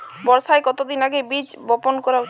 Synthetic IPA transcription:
bɔɾsaekɔt̪od̪inaɡebit͡ʃ | bɔponkɔɾa

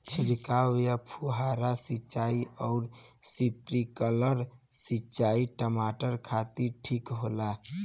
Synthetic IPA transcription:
t͡ʃʰiɾikawjəpʰuɦaɾasit͡ʃaiɔʊɾ | sipɾikələɾ | sit͡ʃaiʈəmaʈəɾkʰat̪iɾʈʰikɦola

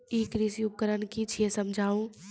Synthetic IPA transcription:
iːkɾisjuk̚kəɾənkit͡ʃʰeːsəmd͡ʒʱaːũ

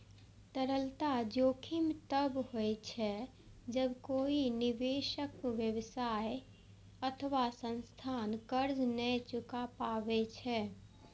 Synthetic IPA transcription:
t̪əɾəlt̪ad͡ʒoːkʰɪmt̪əbhoet͡ʃʰɛ | d͡ʒəbkoːinɪʋeːʃəkʋjəʋsaːe | ɐt̪ʰəʋasə̃nst̪ʰaːnkəɾd͡ʒnɛt͡ʃʊkapaːʋet͡ʃʰɛ

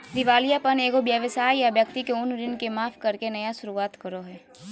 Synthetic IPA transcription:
d̪ɪʋaːlijapɐneːɡobjəʋəsaːjjabjɐk̚t̪ikeʊnɾɪnkemaːpʰkɐɾkenɐjasʊɾuaːt̪kɐɾoɦɛː

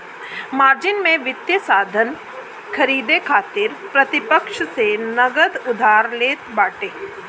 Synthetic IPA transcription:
maːɾd͡ʒɪnmẽʋɪt̪jəsaːd̪ʱən | kʰɐɾiːd̪ekʰaːt̪ɪɾpɾɐt̪ɪpəkʃsenɐɡəd̪ʊd̪ʱaːɾleːt̪baːʈeː

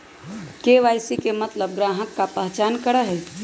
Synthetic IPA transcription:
keʋajsikemət̪ləb̚ɡɾaːɦəkːapəɦt͡ʃaːnkəɽəɦɛ

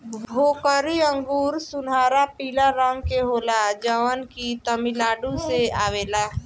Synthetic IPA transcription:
bʱokəɾiəŋɡuːɾsunaɾapilaɾəŋɡkeɦolad͡ʒəʋənkit̪əmilaɖuseaʋela

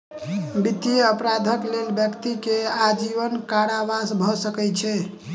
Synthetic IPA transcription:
bit̪ijeəpɾad̪ʱəklelbjəkt̪ikead͡ʒiʋənkaɾaʋasbʱɔsəkɛt͡ʃʰɛ

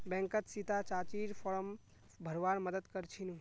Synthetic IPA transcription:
bɛ̃ŋkət̪sit̪at͡ʃaːt͡ʃiːɾpʰɔːɾəm | bʱəɾʋaːnməd̪əd̪kəɾt͡ʃʰinũ

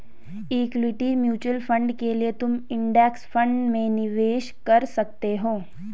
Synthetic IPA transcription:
iːklɪʈimjuːt͡ʃwəlfʰə̃ɳɖkeliet̪ʊmɪ̃ɳɖɛksfə̃ɳɖmẽnɪʋeːʃkɐɾsɐk̚t̪eɦoː

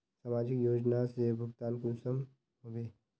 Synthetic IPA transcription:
saːmaːd͡ʒɪkjoːd͡ʒnasebʱʊɡt̪aːnkuːsəm | ɦoʋeː

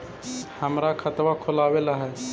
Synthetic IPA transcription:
həmɾakʰət̪ʋakʰolawelaɦɛ

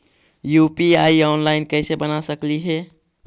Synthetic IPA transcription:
jupiaiɔːnlaɪnkəsebənasəkliɦɛ

